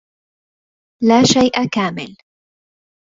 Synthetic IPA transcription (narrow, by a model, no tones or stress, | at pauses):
laːʃajʔakaːmɪ̰l